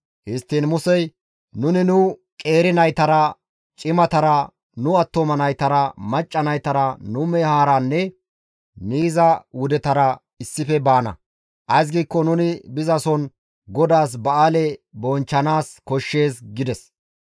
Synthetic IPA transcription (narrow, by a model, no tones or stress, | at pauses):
hɪst̪ːiːnmʊsɛj | nʊnɪnʊ | kʼe̞ːɾɪnɐjt̪ɐɾɐ | t͡ʃʼɪmɐt̪ɐɾɐ | nʊɐt̪ːomɐnɐjt̪ɐɾɐmɐt͡ʃʼːɐnɐjt̪ɐɾɐnʊmɛhaːɾanːɛ | niːzɐwʊd̪ɛt̪ɐɾɐ | ɪsːɪfɛbaːnɐ̰ | ʔɐjs̬ɡiːkːɔnʊnɪbɪzɐsɔn | ɡɔd̪aːs̬bɐaːlɛbɔnt͡ʃːɐnaːskɔʃːe̞ːsɡɪd̪ɛs